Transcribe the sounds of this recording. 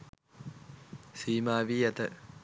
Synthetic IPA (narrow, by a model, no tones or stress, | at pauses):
siːmaːʋiːɛt̪ə